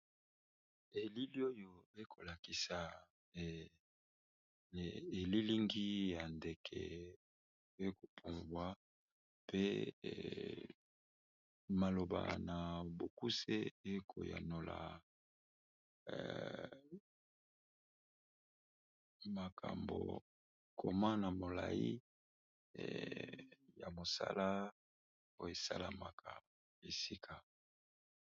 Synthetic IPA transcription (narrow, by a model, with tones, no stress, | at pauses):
e˨li˦li˦o˦jo˦e˦kʰo˨la˨ki˨sa˨ | e˨li˦li˦ŋɡi˦ja˨nde˨kʰɛ˨ | e˦ko˨pʰu˨mbwa˦ | pḛ˦ | ma˨lo˨ba̰˨na˨bo˨ku˦sḛ˦e˦kʰo˨ja̰˨no˨la˨ | ma˨kʰa̰˨mbo̰˨ | kʰo˨ma˦na˨mo˨la˨i˦˨ | ja˨mo˨sa˦la˦ | o˦je˨sa˦la˨ma˨kʰa˨ | e˨si˦kʰa˨